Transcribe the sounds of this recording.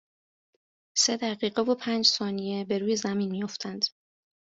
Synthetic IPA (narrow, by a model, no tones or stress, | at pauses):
se̞d̪æʁiːɢevopʰæːnd͡ʒsɒːnije̞be̞ɾuːje̞zæmiːnmijo̞ft̪ʰænd̪̥